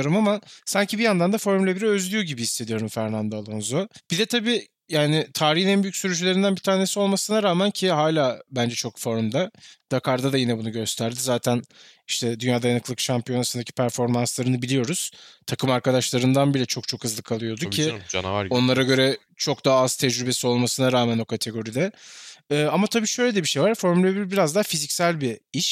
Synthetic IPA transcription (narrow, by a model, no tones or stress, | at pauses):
ɾumamasaɲcʰibijand̪and̪afo̞ɾmlʲɛbiɾɛø̞zlʲyjo̞ɟibihisːe̞d̪ijo̞ɾumfæɾnand̪aːlˠonzob̥id̪ɛt̪ʰabiː | jaːnɪt̪ʰaːɾihnɛnbyjycʲsyɾyd͡ʒylʲeɾind̪ænbit̪ʰaːne̞sio̞lˠmasɯnaɾaːmæncʰiɦaːlʲaːbænd͡ʒɛt͡ʃʰo̞kfo̞ɾmd̪ad̪̥akaɾd̪ad̪ajinɛbunuɟø̞st̪ʰæɾd̪izaːt̪ʰæn | iʃt̪ʰɛd̪ynjaːd̪ajanɯkʰlˠɯkʃampijo̞nasɯnd̪acʰi̥pʰæɾfo̞ɾmanslˠaɾɯnɯbilʲijo̞ɾuz̥t̪ʰakʰɯmaɾkad̪aʃlˠaɾɯnd̪anbilʲɛt͡ʃʰo̞k̚t͡ʃʰo̞khɯzlˠɯkʰalˠɯjo̞d̪ucʰio̞nlˠaɾaɟø̞ɾɛ | t͡ʃʰo̞k̚d̪aɦːaz̥t̪ʰɛd͡ʒɾybe̞sio̞lˠmasɯnaɾaːmænokʰat̪ʰe̞ɡo̞ɾid̪ɛː | amat̪ʰabiːʃø̞jlʲed̪ɛbiʃe̞jvaɾfo̞ɾmylʲebibiɾazd̪aːfizicsælʲbiiʃ